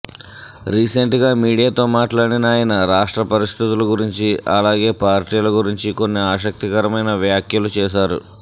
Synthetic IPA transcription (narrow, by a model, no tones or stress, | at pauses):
ɾiːse̞ɳʈɡaːmiːɽijaːt̪o̞ːmaːʈlaːɽinaːjɐnɐɾaːʂʈɾɐpɐɾist̪ʰit̪ulɐɡuɾiɲt͡ʃiɐ̰laːɡe̞ːpaːɾʈiːlɐɡuɾiɲt͡ʃiko̞nːiaːʃɐk̚t̪ikɐɾɐmɐjnɐʋjaːkjɐlut͡ʃɛːʃ̬aːɾṵ